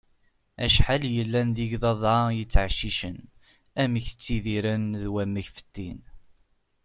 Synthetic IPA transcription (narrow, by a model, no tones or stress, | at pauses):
æ̰ʃħaljəlːænðiʝðˤɑðˤɑjət͡sːʕʃiʃən | æmiçt͡sːiðiɾænðwæmːəçfə̥t̪ːin